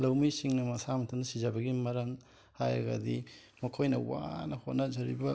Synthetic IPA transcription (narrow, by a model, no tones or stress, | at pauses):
lɐwmisiŋnɐmɐsamɐtʰɐnɐsizɐbɐɡimɐɾɐŋ | hajɐ̰ɡɐ̰di | mɐkʰojnɐwa̰nɐhotnɐzɐɾibɐ